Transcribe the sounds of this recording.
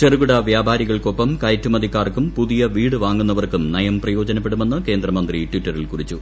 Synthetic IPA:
ʈɐrɣuɽɐʋjaːbʱaːɾiɣɐɭko̞pːɐmkɐjtːumɐd̪ikːaːrkumpuðijɐʋiːɽɨʋaːŋːunːɐʋɐrkumnɐjɐmprɐjo̞ːd͡ʑɐnɐp̬ːe̞ɽume̞nːɨke̞ːnd̪rɐmɐnd̪riʈʋitːɐrilkurit͡ɕːu

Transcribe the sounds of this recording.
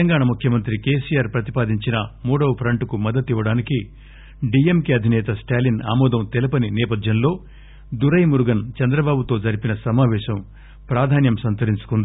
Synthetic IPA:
ɐŋɡaːɳɐmukʰjɐmɐnt̪ɾikeːsijaːɾpɾɐt̪ipaːd̪iɲt͡ʃinɐmuːɽɐwɐpʰɾɐɳʈkumɐd̪ːɐt̪iʋːɐɽaːniki | ɖiemkeɐd̪ʱinɛːt̪ɐsʈaːlina̰ːmɔːd̪ɐmt̪elɐpɐninɛːpɐd̪ʱjɐnlo̞ː | d̪uɾɐjmuɾuɡɐnt͡ʃɛnd̪ɾɐbaːbut̪o̞ːd͡ʒɐɾipinɐsɐmaːʋɛːʃɐm | pɾaːd̪ʱaːnjɐmsɐnt̪ɐɾiɲt͡ʃu̥kund̪i

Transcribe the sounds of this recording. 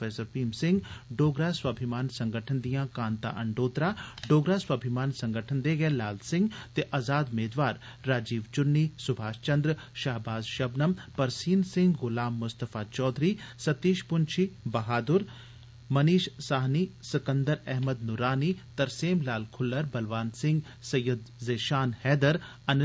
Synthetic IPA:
fɛːsəɾpiːmsɪ̃ŋɡɖoːɡɾaːswaːbʱɪmaːnsɐ̃ŋɡəʈʰənd̪ijãːkãːnt̪a̰ʔɐɳɖoːt̪ɾaɖoːɡɾaːswaːbʱɪmaːnsɐ̃ŋɡəʈʰənd̪eɡɛelaːlsɪ̃ŋɡt̪eʔazaːd̪meːd̪ʋaːɾːaːd͡ʒiːʋt͡ʃʊnːisʊbʱaːʃt͡ʃɐ̃nd̪ɾʃaːɦbaːzʃɐbnəmpɐɾsiːnsɪ̃ŋɡɡʊlaːmːʊst̪əfaːt͡ʃɔːd̪ɾiːsɐt̪iːʃpʊnt͡ʃʰibɐɦaːd̪ʊɾ | mɐniːʃsaːɦniːsɪkənd̪əɾɛɦməd̪nʊɾaːnit̪ɐɾseːmlaːlkʰʊlːəɾbɐlʋaːnsɪ̃ŋɡ | sɐjɐd̪zeːʃaːnhɛːd̪əɾ | ɐn

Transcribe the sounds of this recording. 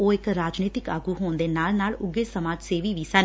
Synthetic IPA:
oːɪkɾaːd͡ʒniːt̪ɪka̰ːɡuːɦoːnd̪eːnaːlnaːlʊɡeːsəmaːd͡ʒseːʋiːʋiːsən

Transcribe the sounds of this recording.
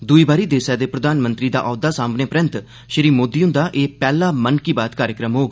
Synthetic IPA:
d̪ʊiːbaːɾiːd̪eːsɛːd̪eːpɾəd̪aːnmə̃nt̪ɾiːd̪a̰ːʔɔːd̪aːsaːmneːpɾə̃nt̪ | ʃəɾiːmoːd̪iːʊ̃nd̪aːʔeːpɛːlaːmənkiːbaːt̪kaːɾjəkɾəmɦoːɡ

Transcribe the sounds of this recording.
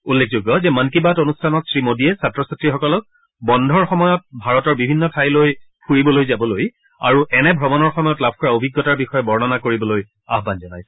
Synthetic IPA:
ulːek̚ʰzuɡːɔzɛmankibatonustʰanɔtsɹimodiɛsatɹɔsatɹixɔkɔlɔk̚ | bɔndʱɔɹxɔmɔjɔt̚bʱaɹɔtɔɹbibʱinːɔtʰajlojpʰuɹibɔlojzabɔloj | a̰ɹuʔɛnɛbʱɔbɔnɔɹxɔmɔjɔtlab̚ʱkɔɹaobʱiɡːɔtaɹbixɔjɛbɔɹnɔnakoɹibɔloj | a̰ɦbanzɔnajsɛ̥

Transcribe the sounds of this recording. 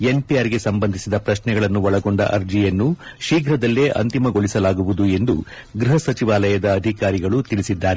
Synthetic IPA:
e̞npijaːɾɡe̞sɐmbɐnd̪ʱisid̪ɐpɾɐʃnɛɡɐɭɐnːuʋɐɭɐɡoɳɖɐ̰ʔɐɾd͡ʒijɐnːuʃiːɡɾɐd̪ɐlːeʔɐ̰nt̪imɐɡo̞ɭisɐlaːɡuʋud̪ue̞nd̪u | ɡɾiɦɐsɐt͡ʃiʋaːlɐjɐd̪ɐːd̪ʱikaːɾiɡɐɭut̪iɭisid̪ːaːɾe

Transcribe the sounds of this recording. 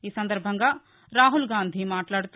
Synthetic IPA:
iːsɐnd̪ɐɾbʱɐŋɡaː | ɾaːɦulɡaːnd̪ʱimaːʈlaːɽut̪

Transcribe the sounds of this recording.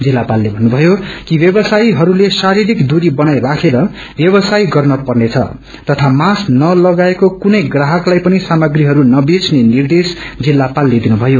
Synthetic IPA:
d͡zilːapalːebʱʌnːubʱʌjokibjʌbʌsajɦʌɾulesaɾiɾikd̪uɾibʌnajrakʰeɾʌ | bjʌbʌsajɡʌrnʌpʌrnet͡sʰʌ̰ | t̪ʌt̪ʰamasnʌlʌɡaekokunʌjɡraɦʌklajpʌnisamʌɡriɦʌɾunʌbet͡sʰnenird̪esd͡zilːapalːed̪inubʱʌjo

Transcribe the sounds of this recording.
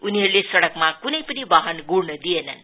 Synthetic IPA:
uniɦʌɾulesʌɽʌkmakunʌjpʌnibaɦʌnɡuɽnʌd̪ienʌ̰n

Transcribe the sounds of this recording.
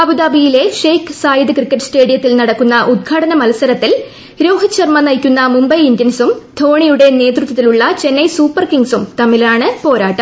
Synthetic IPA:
ɐbud̪aːbijile̞ʂejkɨsaːjid̪ɨkrikːɐʈːɨste̞ːɽijɐt̪ːilnɐɽɐkːunːɐʔud̪̚ɡʰʱaːɽɐnɐmɐlɐsɐɾɐt̪ːil | ɾo̞ːɦit͡ɕːɐrmɐnɐjkʲːunːɐmumbɐjindjɐnsumd̪ʱo̞ːɳijuɽe̞ne̞ːt̪rut̪ːɐt̪ːiluɭːɐt͡ɕe̞nːɐjsuːpːɐrkiŋɡsumt̪ɐmːilaːɳɨpo̞ːɾaːʈːɐm

